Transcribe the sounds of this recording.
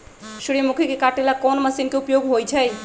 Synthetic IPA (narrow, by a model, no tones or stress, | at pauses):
suɾijəmukʰikekaʈelakɔnməsinkeupjoɡɦojt͡ʃʰɛj